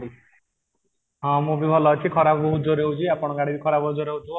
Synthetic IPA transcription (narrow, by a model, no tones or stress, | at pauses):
i | ɦɔ̃mũbibʱɔlɔt͡ʃʰikʰɔɾabɔbɔɦud͡ʒoɾeɦut͡ʃʰiapɔɽ̃ɔɡaɽid̪ikʰɔɾabbɔɦud͡ʒoɾeut͡ʃʰũ